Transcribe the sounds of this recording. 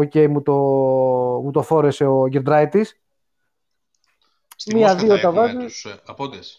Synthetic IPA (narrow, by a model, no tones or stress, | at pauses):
oce̞jmut̪o | mut̪ofo̞ɾe̞se̞oʝend̪ɾɐit̪is | miɐðiot̪ɐvɐzi